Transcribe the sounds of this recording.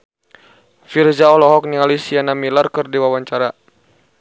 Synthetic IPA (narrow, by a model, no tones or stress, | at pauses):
firzaɔlɔɦɔk̚nialisianamilarkərdiwawaɲt͡ʃaɾa